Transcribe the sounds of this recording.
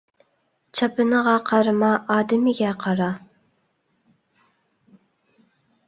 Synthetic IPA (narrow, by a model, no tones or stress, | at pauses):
t͡ʃʰɑpɨnəʁɑqʰɑɾɨmɑʔɑːd̪ɪmɪɡʲɛqʰɑɾɑ